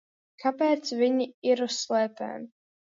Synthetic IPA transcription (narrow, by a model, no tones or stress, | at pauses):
kʰapɛːt̪sviɲiiɾuslˠɛːpɛ̰ːm